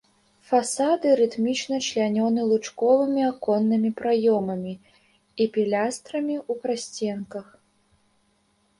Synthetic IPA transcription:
fasad̪ɨɾɨt̪mʲit͡ʂnɐt͡ʃlʲanʲɔnɨlˠut͡ʂkɔvɨmʲiakɔnːɨmʲipɾajɔmɐmʲi | ipʲilʲast̪ɾɐmʲiupɾasʲt͡sʲɛnkɐx

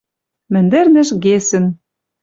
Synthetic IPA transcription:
mɘ̆nd̪ɘ̆rnɘ̆ʃɣesɘ̆n

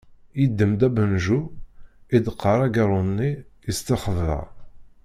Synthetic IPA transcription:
jid̪ːəmd̪æbənʒu | id̪əqʰːəɾˤæɡɑɾˤʊnːiist̪əχəvːæ̰

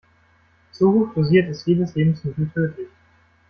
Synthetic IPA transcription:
z̥ohoːxd̥oziːɐtɪstjeːdəsleːbm̩smɪtl̩tʰøːtʰɪç

